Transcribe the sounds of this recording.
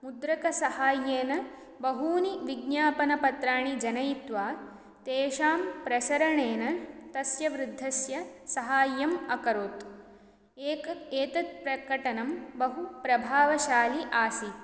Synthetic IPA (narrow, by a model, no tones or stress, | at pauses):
mud̪ɾɐkɐsɐhaːjeːnɐ | bɐɦuːniʋiɡnjaːpɐnɐpɐt̪ɾaːɳid͡ʒɐnɐjt̪ʋaː | t̪eːʃaːmpɾɐsɐɾɐɳeːnɐt̪ɐsjɐʋɾɪd̪ʱːɐsjɐsɐɦaːjːɐmɐkɐɾoːt̪ | eːkeːt̪ɐt̪̚pɾɐkɐʈɐnɐmbɐɦupɾɐbʱaːʋɐʃaːliʔaːsi